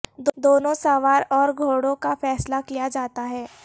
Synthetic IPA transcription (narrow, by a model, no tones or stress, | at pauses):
d̪d̪oːnõsaːʋaːɾɔːɾɡʱoːɽõkafɛːslakijad͡ʒaːt̪aɦɛː